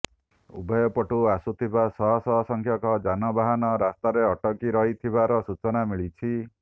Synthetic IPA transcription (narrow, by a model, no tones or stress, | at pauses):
ṵbʱɔjɔpɔʈuasut̪ʰibasɔɦɔsɔɦɔsɔŋkʰjɔkɔd͡ʒanɔbaɦanɔɾast̪aɾeɔʈɔkiɾɔɦit̪ʰibaɾɔsut͡ʃɔnamiɭit͡ʃʰi